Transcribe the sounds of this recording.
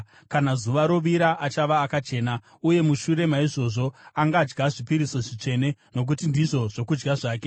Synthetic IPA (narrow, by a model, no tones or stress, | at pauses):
kanazuʋaɾo̞ʋiɾaʔat͡ʃaʋaːkat͡ʃe̞ːna | uje̞muʃuɾe̞maiʐo̞ʐo̞aŋɡaːd͡ʒɡaʐipiɾiso̞ʐit͡ʂe̞ne̞no̞k̬utindiʐo̞ʐ̥o̞kud͡ʒɡaʐaːk̬e̞